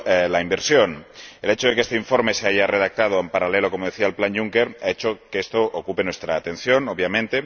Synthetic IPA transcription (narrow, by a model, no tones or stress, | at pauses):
laimbeɾsjo̞nele̞t͡ʃoð̞e̞kest̪eiɱfo̞ɾme̞seaʝareð̞ak̚t̪að̞oempaɾalelo̞komoð̞eθiaelplanjuŋkeɾaet͡ʃokeest̪oʔokupe̞nwest̪ɾaːt̪ẽ̞nθjo̞noβjamẽnt̪e̞